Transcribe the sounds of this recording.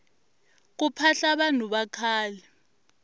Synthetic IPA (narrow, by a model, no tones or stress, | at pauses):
k̬upʰaɬaɓan̤uɓakʰaːlɛ